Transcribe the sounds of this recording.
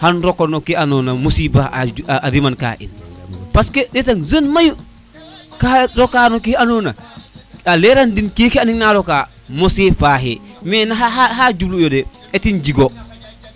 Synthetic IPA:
hanɾɔkonokianonamosiːbaha̰aɾimanka̰ːʔḭnpaskedɛtaŋzənmaju | kaɾokanokianoːna | aleɾandinkekianiŋnaɾokaː | mosefaːɦemɛnaɦaɦaɦad͡ʒublujodɛetind͡ʒiɡo

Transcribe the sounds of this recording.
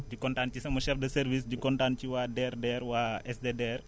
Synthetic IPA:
d͡ʒikɔntancisɐmɐʃɛfdɐsɛɾvis̬d͡ʒikɔntant͡ʃiwadɛrdɛɾwaɛsdedɛr

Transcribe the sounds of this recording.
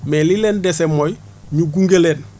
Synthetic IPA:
melileːndesemːoj | ɲuɡuŋɡeleːn

